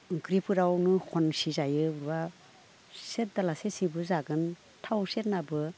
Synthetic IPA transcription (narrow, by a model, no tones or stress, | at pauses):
kɾipʰɯɾawnɯkʰɔnsizajɯuɾwa | set̚dalasesibɯzaɡɯn | tʰawset̚nabɯ